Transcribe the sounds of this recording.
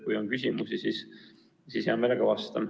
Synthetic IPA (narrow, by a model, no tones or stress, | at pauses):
kujonkysʲimusisis | sishɑmeleɡ̥ɑvɑst̪ɑm